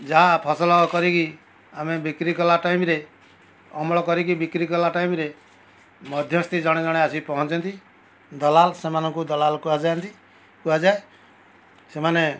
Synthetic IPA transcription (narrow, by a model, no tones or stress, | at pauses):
d͡ʒaapʰɔsɔlɔkɔɾiki | amebikɾikɔlaʈaimɾe | ɔmɭɔkɔɾikibikɾikɔlaʈaimɾe | mɔd̪ʱjɔst̪id͡ʒɔɽ̃ed͡ʒɔɽ̃easipɔɦɔ̃nt͡ʃɔnt̪i | d̪ɔlalsemanɔ̃ŋkud̪ɔlalkuad͡ʒant̪i | kuad͡ʒae | semane